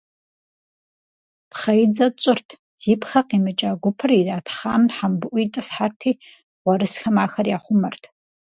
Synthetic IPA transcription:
pχɐjd͡zɐt͡ʃʼɨrtʰ | z̥iːpʰχɐqiːmɨt͡ʃʼaːɡʷʊpʰɨridaːtʰχaːmħambɨʔʷitʼɐsħartʰiː | ʁʷɔɾɨsxɐmaːxɐrjaːχʷʊmɐrtʰ

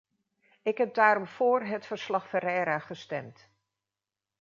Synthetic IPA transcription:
ɪkɦɛb̚daːɾɔmv̥ʊːrɦətfəɹslɑχfəɾɛɾaːχəstɛmt

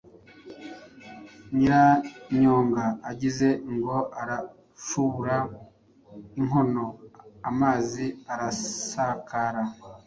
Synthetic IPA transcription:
ɲiɾaɲoːŋɡaːɟize̞ŋɡo̞ʔaɾa | ʃuβuɾa | iŋo̞no̞amaːziaɾasakaɾa

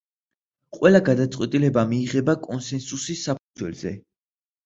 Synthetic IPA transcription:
qʼwɛlaɡad̪at̪sʼqʼwɛt̪ʼilɛbamiːʁɛbakʼɔnsɛnsusisapʰud̪zwɛ̰lzɛ̰

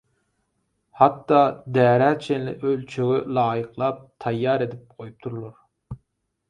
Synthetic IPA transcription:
hɑt̪ːɑd̪æːɾæt͡ʃʰenlɪ̰ʔølt͡ʃʰøɡylˠɑːjəqlˠɑp̚t̪ʰɑjːɑːɾed̪ɪp̚qʰojup̚t̪ʰuɾulˠuɾ

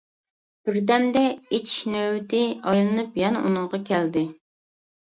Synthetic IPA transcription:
b̥ɪɾd̪ɛmd̪ɛet͡ʃnøwt̪ɪɑjlˠɨnɨpjɛnɛʔunɨŋʁɑkʲʰɛld̪ɪ

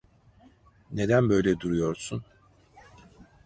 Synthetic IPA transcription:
ne̞d̪ænbø̞jlʲɛd̪uɾujo̞ɾsun

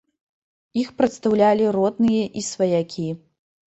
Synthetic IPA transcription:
ixpɾɐt̪st̪ɐwlʲalʲiɾɔd̪̚nɨjɐʔisvɐjakʲʰi

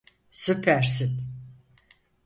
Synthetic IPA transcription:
supʰæɾsit̪

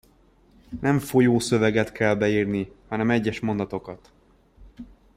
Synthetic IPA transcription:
nɛɱfo̞joːsø̞vɛɡɛt̪kʰɛlbɛiːrnihɒnɛmɛɟːɛʃmo̞nd̪ɒt̪o̞kɒt̪

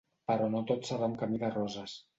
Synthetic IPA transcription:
pəɾɔnot̪osaβɛmkəmiðərɔzəs

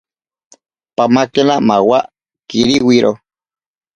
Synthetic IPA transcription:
pamakenamawaʔ | kiɾiwiɾʔo

